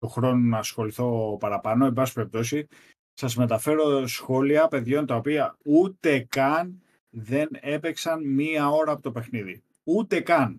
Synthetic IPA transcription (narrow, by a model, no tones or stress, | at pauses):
t̪oxɾo̞nonɐːsxo̞liθo̞pɐɾɐpɐno̞e̞mbɐsi̥peep̚t̪o̞si | sɐzme̞t̪ɐfe̞ɾo̞sxo̞liɐpe̞ðʝo̞nt̪ɐopiɐut̪e̞kɐn | ðe̞ne̞peksɐnmiɐo̞ɾɐːpo̞t̪ope̞xniði | ut̪e̞kɐn